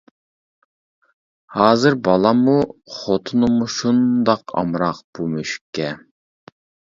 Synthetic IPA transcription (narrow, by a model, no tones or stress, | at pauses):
hɑːzɨɾbɑlˠɑmuχot̪ʰʊnɨmuʃund̪ɑqɑ̰mɾɑq̚b̥umøʃy̥kʲʰːɛ